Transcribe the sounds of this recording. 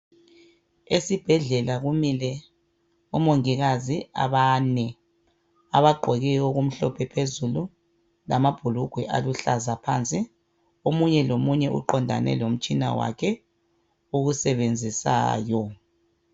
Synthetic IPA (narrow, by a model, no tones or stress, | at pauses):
esib̥ʱɛɮɛlaɣumilɛ | umoŋiɣazia̰βanɛ | aβaɡ͡ǃʱɔɣɛoɣum̩ɬɔpʰɛpʰezulu | lamab̥ʱuluɡ̥ʱwɛʔa̰luɬazapʰaːnt͡sʼi | omuɲɛlomuɲɛʔṵǃɔndʱa̰nɛ̰lom̩t͡ʃʼina̰wa̰kʰɛ | uɣusɛβend͡zʱisa̰ːjɔ